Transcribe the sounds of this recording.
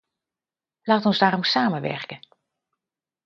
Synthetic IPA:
laːtɔnzdaːrɔmsaːməʋɛ̰rkə

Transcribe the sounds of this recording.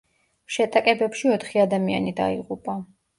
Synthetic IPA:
ʃɛt̪ʼakʼɛbɛpʃiɔt̪ʰχiad̪amia̰nid̪a̰ḭʁupʼa

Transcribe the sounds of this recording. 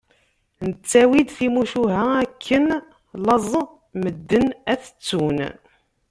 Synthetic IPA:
nət͡sːæwid̪θimuʃuɦæækʰːən | lɑzˤ | məd̪ːənæθə̥t͡sːun

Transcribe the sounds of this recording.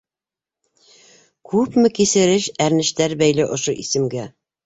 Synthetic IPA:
kʉpmɘkisɘ̆ɾɘʃæɾnɘ̆ʃt̪æɾbæjlɘʔŏʃoʔisɘ̆mɡæ

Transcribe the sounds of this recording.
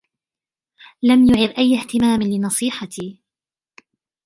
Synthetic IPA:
lamjʊʕɪd̪ʔajːaht̪ɪmaːmlɪnɑsˤiːħɑt̪iː

